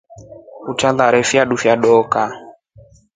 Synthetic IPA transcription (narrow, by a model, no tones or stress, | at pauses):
ut͡ʃaðaɾɛfjaɗufjaɗɔka